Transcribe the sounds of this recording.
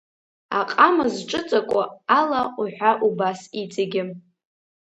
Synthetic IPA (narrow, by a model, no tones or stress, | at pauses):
aqʼamazʈ͡ʂʼɨt͡sʼakʷʼʊalauħʷᶣaʔubasit͡sʼaɡʲɪ